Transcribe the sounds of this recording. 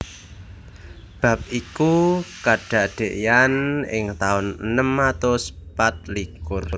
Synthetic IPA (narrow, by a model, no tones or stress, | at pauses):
b̥a̤p̚ʔikukaɖ̥a̤ʔɖ̪̥e̤ʔjanɪŋt̪aʊnənəmːat̪ospat̪̚likʊr